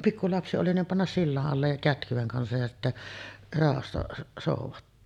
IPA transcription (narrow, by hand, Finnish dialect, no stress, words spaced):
pikːulɑpsi oli nim pɑnːɑs silːɑʔ ʔɑlːej jɑ kætkyʋ̆eŋ kɑnsɑj jɑ sitːæ rɑˑohɑsːɑ soˑuʋɑtːoː